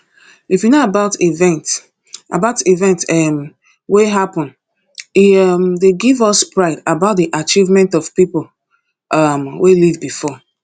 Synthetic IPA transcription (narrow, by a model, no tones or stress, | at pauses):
ifjinoabaʊtivɛ̃nt | a̰baʊtivɛ̃ntm | weɦapɔ̃n | imdeɡivɔspɹaɪdabaʊt̚ðiʔat͡ʃivmɛ̃ntɔv̥pipl̩ | ʔʌmwelivbifɔ